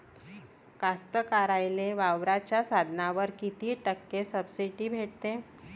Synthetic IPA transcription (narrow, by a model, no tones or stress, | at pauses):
kast̪əkaɾajleʋaʋɾat͡ɕjasad̪ʱnaʋəɾkit̪iːʈəkːesəbsiʈiːbʱeʈ̚t̪e